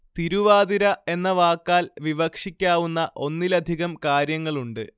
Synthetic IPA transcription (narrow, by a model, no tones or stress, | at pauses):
t̪iɾuʋaːd̪iɾɐe̞nːɐʋaːkːaːlʋiʋɐkʂikʲːaːʋunːɐʔo̞nːilɐd̪ʱiɣɐmkaːɾjɐŋːɐɭuɳɖɨ